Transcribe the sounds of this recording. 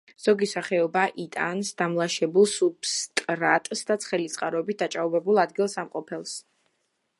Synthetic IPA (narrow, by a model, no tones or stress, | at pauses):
z̥ɔɡisaχɛɔbaʔit̪ʼa̰nsd̪amlˠaʃɛbulˠsubst̪ʼɾat̪ʼsd̪at̪sʰχɛlit̪sʼqʼaɾɔbit̪̚d̪at͡ʃʼauvɛbulˠad̪ɡilˠsamqʼɔpʰɛlˠs